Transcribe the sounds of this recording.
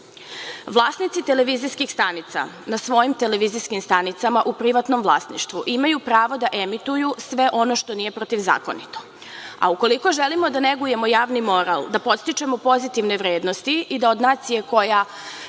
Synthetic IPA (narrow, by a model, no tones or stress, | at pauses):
ʋlˠaːsnit̪sit̪e̞le̞ʋiziskixst̪anit̪sa̰ | nasʋo̞jimt̪ele̞ʋiziskimst̪anit̪samaʔupɾiʋat̪no̞mvlˠa̰ːsnḭʃt̪ʋuʔimajupɾaːʋo̞d̪aʔemit̪ujusʋe̞ʔo̞no̞ʃt̪o̞nije̞pɾot̪iʋza̰ːko̞̰nit̪o̞̥ | a̰uko̞liko̞ʒelimo̞d̪aneɡuje̞mojaːʋnimo̞ɾalˠd̪apo̞t̪st̪it͡ʃe̞mo̞po̞zit̪iʋne̞ʋɾeːd̪no̞st̪iid̪ao̞d̪naːt̪sije̞ko̞ja